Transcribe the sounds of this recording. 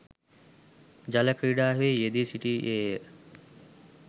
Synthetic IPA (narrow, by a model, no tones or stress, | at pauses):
d͡ʒɐlɐkʰɾiɖaːɦejed̪iːsiʈiːʔeː